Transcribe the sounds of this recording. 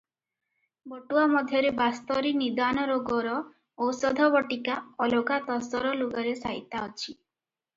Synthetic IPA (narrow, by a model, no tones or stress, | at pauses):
bɔʈuamɔd̪ʱjɔɾebast̪ɔɾinid̪anɔɾoɡɔɾɔ | osɔd̪ʱɔbɔʈikaɔloɡat̪ɔsɔɾɔluɡɔɾesaɦḭt̪aɔt͡ʃʰi